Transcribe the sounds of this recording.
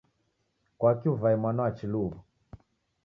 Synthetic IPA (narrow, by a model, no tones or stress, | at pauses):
kwakiuvaimwanaat͡ʃiluβu